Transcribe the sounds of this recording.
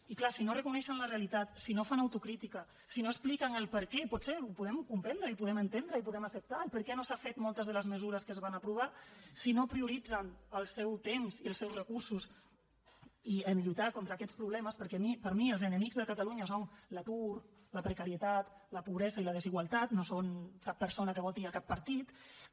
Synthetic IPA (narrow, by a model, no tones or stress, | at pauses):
iklasinorəkunɛʃənləreəlit̪at̪sinofanəwt̪ukɾit̪ikə | sinoəsplikəŋəlˠpəɾkɛpɔt̪seupuðɛmkumpɛnd̪ɾəipuðɛmənt̪end̪ɾəipuðɛməsəp̚t̪aəlˠpəɾkɛnosafet̪mɔlˠt̪əzðələzməzuɾəskəzβanəpɾuβ̞asinopɾiuɾid͡zənəlˠsɛwt̪emziəlˠsɛwzrəkuɾsus | iənʎut̪akont̪ɾəːkɛtt͡spɾuβlɛməspəɾkɛmipəɾmiəlˠzənəmikzðəkət̪əluɲəsonlət̪uɾ | ləpɾəkəɾiət̪at̪ləpuβɾɛzəiləð̞əziɣwəlˠt̪at̪nosonkapːəɾsonəkəβɔlˠt̪iəkapːəɾt̪it̪